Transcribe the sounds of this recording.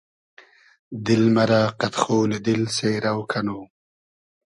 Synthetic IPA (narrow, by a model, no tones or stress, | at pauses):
d̪ɪlmɐɾaːqat̪χoːlɪd̪ɪlseɾawkʰanoː